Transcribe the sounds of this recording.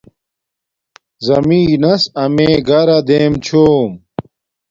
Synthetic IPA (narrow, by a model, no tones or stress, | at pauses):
zɐmiːnɐsɐmeːɡɐɾɐd̪eːmt͡ɕʰoːm